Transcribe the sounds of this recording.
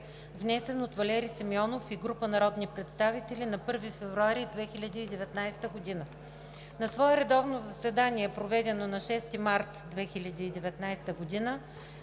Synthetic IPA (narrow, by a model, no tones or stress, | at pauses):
vnɛsɛnot̪vɐlɛɾisɐmiɔnofiɡɾupənɐɾɔd̪nipɾɛt̪st̪avit̪ɛlinɐpɤɾvifɛvɾuaɾid̪vɛxilʲɐd̪iːd̪ɛvɛt̪najst̪əɡod̪inə | nɐsvɔɛɾɛd̪ɔvnozɐsvɛd̪aniɛpɾovɛd̪ɛnonɐʃɛst̪imaɾt̪d̪vɛxilʲɐd̪iːd̪ɛvɛt̪najst̪əɡod̪inə